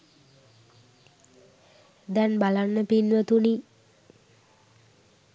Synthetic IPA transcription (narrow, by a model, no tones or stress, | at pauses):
d̪ɛnbalanːəpinʋət̪uni